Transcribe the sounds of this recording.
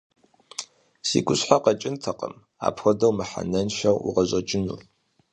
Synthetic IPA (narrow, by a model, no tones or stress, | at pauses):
sḭɡʷʼʊɕħaqɐt͡ʃʼɪntʰɐqə̰m | a̰ːpxʷɔdɐwmɨħa̰nɐnʃɐwṵʁɐʑɐt͡ʃʼɪnṵː